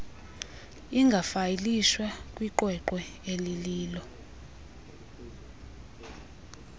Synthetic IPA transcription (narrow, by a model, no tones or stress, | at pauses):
iŋɡʱafajiliʃwakʼwiǃwɛǃɛeliliːlɔ